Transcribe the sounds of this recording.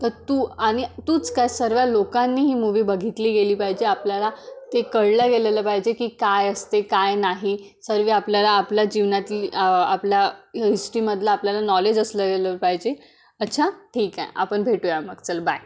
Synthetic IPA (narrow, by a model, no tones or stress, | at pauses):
t̪əɾt̪uːaɽ̃it̪uːt͡skajsəɾʋjalokãnːiːɦiːmuʋiːbəɡʱit̪liːɡeliːpaɦid͡ʑeapljalat̪ekəɽləɡeleləːpaɦid͡ʑekiːkajəst̪ekajnaɦi | səɾʋiapljalaːpljad͡ʑiʋnat̪iiəapljaɦisʈɾiːməd̪ʱləapljalanɔled͡ʑəsləɡeləɾpaɦid͡ʑe | ətːɕʰaʈʰiːkã̰a̰pəɳbʱeʈujaməɡt͡səlbaj